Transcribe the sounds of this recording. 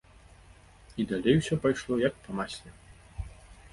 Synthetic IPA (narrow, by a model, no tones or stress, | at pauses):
id̪alʲejwsʲɔpajʂlˠɔjɐk̚pɐmasʲlʲɛ